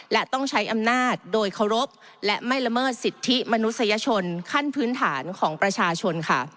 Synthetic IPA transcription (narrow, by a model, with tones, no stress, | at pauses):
lɛ˦˥t̪ɔ˥˩ŋt͡ɕʰa˦˥jʔa˧mnaː˥˩t̪̚doː˧jkʰa˧˩wɾo˦˥p̚ | lɛ˦˥ma˥˩jla˧mɤː˥˩t̪̚si˨˩t̪ʰːi˦˥ma˧nu˦˥t̪̚sa˧ja˧t͡ɕʰo˧nkʰa˥˩npʰɯː˦˥nt̪ʰaː˩˦nkʰɔː˩˦ŋpɾa˧t͡ɕʰaː˧t͡ɕʰo˧nkʰa˥˩